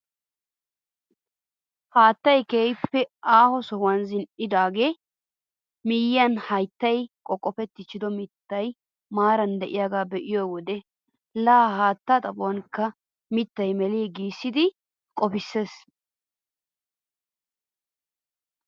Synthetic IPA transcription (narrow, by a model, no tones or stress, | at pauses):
haːt̪ːɐjkeːjpːɛaːhɔsɔhwɐnzɪnʔɪd̪aːɡe̞ː | mɪjɪɐnhɐjt̪ːɐjkʼɔkʼːɔpɛt̪ːɪt͡ʃːɪd̪ɔmɪt̪ːɐj | maːɾɐnd̪ɛʔɪjaːɡaːbɛʔɪjɔwɔd̪ɛ | laːɦaːt̪ːaːt̪ʼɐbʊwɐnkːɐ | mɪt̪ːɐjmɛliːɡiːsːɪd̪ɪ | kʼɔpɪsːeːs